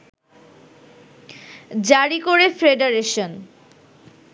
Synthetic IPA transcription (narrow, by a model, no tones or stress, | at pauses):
d͡ʑaɾikoɾefɾeɖaɾeʃon